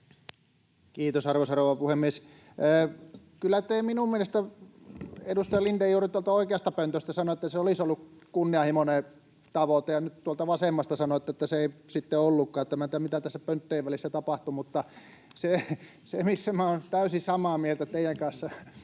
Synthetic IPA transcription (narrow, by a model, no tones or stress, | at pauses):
kiːt̪osɑrʋosɑrouʋɑpuhemːiesː | kylːˑæt̪eːminummielest̪æ | edust̪ɑjɑlindejuːrit̪uolt̪ɑoikeɑst̪ɑpønt̪øst̪æsɑnoet̪ːæseolisolːukkunːiɑhimone | t̪ɑʋot̪ejɑnyt̪t̪uolt̪ɑʋɑsemːɑst̪ɑsɑnoet̪ːæet̪ːæseeˑisit̪ːeolːukːɑːet̪ːæmænt̪ːæmit̪æt̪æsːæpønt̪ːeiʋʋælisːæt̪ɑpɑht̪umut̪ːɑ | se | semisːæmæont̪æysisɑmɑːmielt̪æt̪eijˑæŋkɑnsːɑ